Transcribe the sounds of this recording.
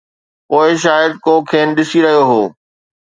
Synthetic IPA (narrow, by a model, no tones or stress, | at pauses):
poːɪʃ̬aːjəd̪̚kokʰeːnɗɪsiɾɐɦijoɦoː